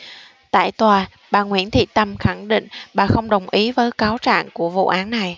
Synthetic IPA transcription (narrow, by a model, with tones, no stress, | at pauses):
t̪a̰ː˧˨jt̪waː˨˩ | ɓaː˨˩ŋwḭ˧˩ənt̪ʰḭ˧˨t̪ə˧mxa˧˩ŋɗḭ˧˨ŋ̟ɓaː˨˩xə˧wŋ͡mɗə˨˩wŋ͡mʔi˨˦vəː˨˦jkaː˨˦wt͡ɕa̰ː˧˨ŋku˧˩əvṵ˧˨ʔaː˨˦nːa˨˩j